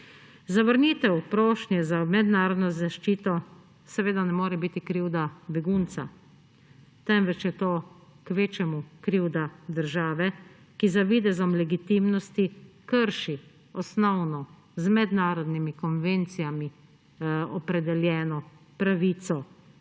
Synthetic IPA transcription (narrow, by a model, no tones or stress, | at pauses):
zaʋəɾniːt̪ɛwpɾoːʃnjɛzamɛd̪naːɾɔd̪nɔzaʃt͡ʃiːt̪ɔ | sɛʋeːd̪anɛmoːɾɛbiːt̪ikɾiwd̪abɛɡunt̪sa̰ | t̪ɛmʋɛt͡ʃjɛt̪oːkʋeːt͡ʃɛmukɾiwd̪ad̪əɾʒaːʋɛ | kizaʋiːd̪ɛzɔmlɛɡit̪imnɔst̪ikəɾʃi | ɔsnɔwnɔ | zmɛd̪naːɾɔd̪nimikɔnʋent̪sijami | ɔpɾɛd̪ɛljɛːnɔ | pɾaʋiːt̪sɔ